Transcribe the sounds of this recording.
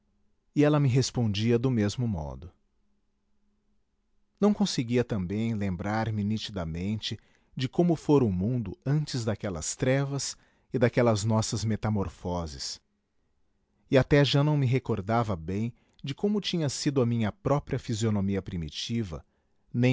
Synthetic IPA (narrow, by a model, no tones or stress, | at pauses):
ɪɛlɐmɪɦespõnd͡ʒiɐd̪ʊmezmʊmɔ̰d̪ʊ | nɐ̃w̃kõsɪɡiɐt̪ɐ̃mbẽj̃lẽmbɾaɾmɪnit͡ʃid̪ɐmẽnt͡ʃɪ | d͡ʒɪkõmʊfoɾʊmũnd̪ʊɐ̃nt͡ʃɪzd̪akɛlɐ̰st̪ɾɛvɐs | ɪd̪akɛlɐznɔsɐzmet̪amoɾfɔzɪs | ɪat̪ɛʒanɐ̃w̃mɪɦekoɾd̪avɐbẽj̃ | d͡ʒɪkõmʊt͡ʃĩɲɐsid̪ʊɐmĩɲɐpɾɔpɾiɐfizionomiɐpɾimḭt͡ʃivɐ̰ | nẽ